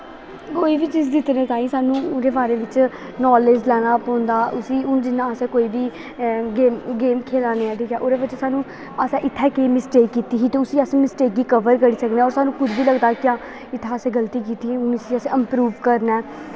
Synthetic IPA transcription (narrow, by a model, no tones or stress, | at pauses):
koːiːʋiːt͡ʃizd̪ɪt̪ɾẽːt̪aːĩːsaːnũːʊɾeːbaːɾeːʋɪt͡ʃ | nɔːleːd͡ʒlɛːñaːpɔ̃ːnd̪aːʔʊsiːʊnd͡ʒɪnːãːəsẽːkoːiːbiː | ɡeːmɡeːmkʰeːlaːneːɛ̃ːt̪ʰikɛːʔʊɾeːbət͡ʃːsaːnũː | əsɛ̃ːʔɪt̪ʰːɛːkeːmɪsʈeːkːiːt̪iːsiːt̪eːʊsiːəsmɪsʈeːk̚ɡiːkəʋəɾkəɽiːsəkneːɔːɾsaːnũːkʊd̪biːləɡd̪aːkɪjãː | ɪt̪ʰːɛːəsẽːɡəlt̪iːk̬iːt̪iːiːʊnɪsiːəsẽːəmpɾuːʋkəɾnɛː